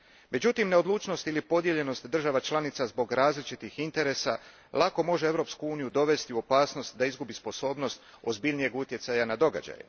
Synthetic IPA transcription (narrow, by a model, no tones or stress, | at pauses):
me̞d͡ʑut̪imne̞o̞d̪luːt͡ʃno̞st̪ilipo̞d̪je̞ʎe̞no̞st̪d̪r̩ʒaʋat͡ʃlˠanit̪sazbo̞ɡɾaːzlit͡ʃit̪ixint̪e̞ɾe̞sa | lˠako̞mo̞ʒee̞ʋɾo̞pskuuːnijud̪o̞ʋe̞st̪iuo̞paːsno̞st̪d̪aizɡubispo̞so̞ːbno̞st̪ | o̞zbiʎnije̞ɡut̪je̞t̪sajanad̪o̞ɡa̰d͡ʑa̰jḛ